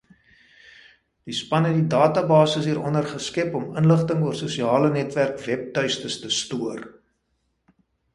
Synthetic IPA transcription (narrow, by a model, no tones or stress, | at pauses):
d̥ispɐnɛtdidɑːtɐbɑːsəsɦiːɾɔnərχəskɛpɔmənləχtəŋuərsusiɑːlənɛtværkvɛp̚tœɥstəstəstuər